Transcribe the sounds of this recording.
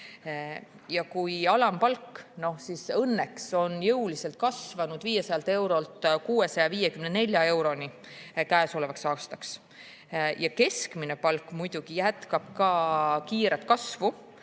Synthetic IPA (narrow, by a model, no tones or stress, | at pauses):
jɑkujɑlɑmpɑlkːˑno̞hsisɤnːekso̞njɤwlise̞lt̪̚kɑsvɑnud̪̥viːjesɑjɑlt̪e̞wɾo̞lt̪ːˑkuːe̞sɑjɑviːjekymnene̞lʲjɑe̞wɾo̞ni | kæeso̞levɑksɑːkst̪ɑks | jɑke̞skminepɑlkːˑmujd̪̥uɡ̥ijæt̪kɑb̥kɑːkiːɾet̪̚kɑsvu